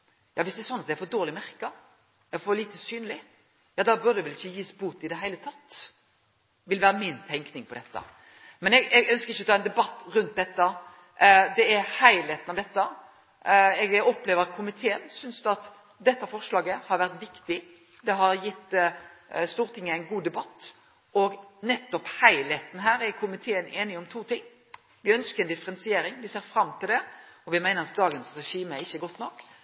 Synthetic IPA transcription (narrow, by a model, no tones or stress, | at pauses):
jɑːʋɪsd̪ɛɛɾsɔnːɑt̪d̪ɛɾfɔd̪oːʁlɪmæɾkə | ɛfɔliːt̪əsyːnəlɪ | jɑːd̪ɑbʉɾd̪əɛʋɛlɪçːəjiːsbuːt̪ɪd̪ɛɦæɪlət̪ʰɑt̪ː | ʋɪlʋæːɾəmɪnt̪ʰɛŋknɪŋpʰɔd̪ɛt̪ːə̰ | mɛnɛɡɛɡœnskəɾɪçːəɔt̪ʰɑːɛnd̪ɛbɑt̪ːɾʉnt̪̚d̪ɛt̪ːə | d̪ɛæɾhæɪlet̪ənɑʋd̪ɛt̪ːə | ɛɡɔpleːʋəɾkʰʊmɪt̪ʰeːənsʏnsd̪ɑt̪ | d̪ɛt̪ːəfɔʁʂlɑːɡəhɑɾʋæʁt̪ʋɪkt̪ɪ | d̪ɛɦɑɾjɪt̪ː | st̪uːɾt̪ʰɪŋːəæɪnɡuːd̪ɛbɑt̪ː | ɔɡnɛt̪ːɔphæɪlet̪n̩ɦæːɾɛɾkʰʊmɪt̪ʰeːəneːnɪɔmt̪ʰuːt̪ʰɪŋː | ʋɪœnskəɾɛnd̪ɪfəɾɛnsɪeːɾɪŋʋɪseːɾfɾɑmːt̪ʰɪld̪ɛɔʋɪmæɪnəɾɑt̪̚d̪ɑːɡənsɾɛʂiːməɛɪçːəɡɔt̪ːnɔkː